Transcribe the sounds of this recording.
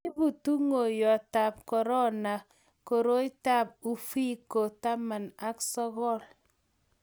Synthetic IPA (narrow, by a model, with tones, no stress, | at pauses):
i˦bu˨tu˦ŋo˨jɔ˨ta˨p̚kɔ˨ɾɔ˦na˨ | ko˨ɾo˦i˦ta˦˨p̚u˦fi˦ko˨ta˦ma˨na˦ksɔ˦ɣɔ˦˨l